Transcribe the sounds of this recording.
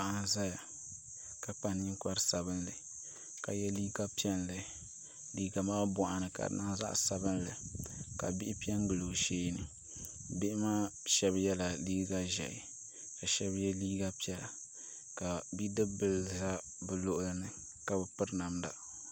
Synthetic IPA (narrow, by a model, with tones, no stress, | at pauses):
a˨ʔa˨za˦ja˨ | ka˨k͡pa˨n˦ɲi˦ŋka˦ɾsa˨bɨ˦nlɨ˨ | ka˨jɛ˦liː˦ɡa˦pi˦ɛ˦nlɨ˨ | liː˦ɡa˨maː˦bɔ˨ʔa˨nɨ˨ka̰˨na˦za̰˦ʔsa˨bɨ˦nlɨ˨ka˨bɪ˦ʔɪ˦pi˦ɛ˦ŋ˦ɡɨ˨lo˨ʃeː˦nɨ˨ | bɪ˦ʔɪ˦maː˦ʃɛ˦bjɛ˦la˨liː˦ɡa˦ʒɛ̰˨ʔɪ̰˨ | ka˨ʃɛ˦bjɛ˦liː˦ɡa˦pi˦ɛ˦la˨ | ka˨bi˦dɨ˦bɨ˨lza˦ | bɨ˨lo˦ʔʊ˦lɨ˦nɨ˨ | ka˨bɛ˨pɨ˦ɾna˨mda̰˨